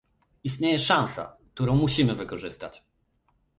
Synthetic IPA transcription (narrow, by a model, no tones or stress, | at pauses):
ist̪ɲejɛʂãw̃sa̰k̚t̪uɾɔ̃w̃muɕimɘvɘkɔʐɘst̪a̰t͡ɕ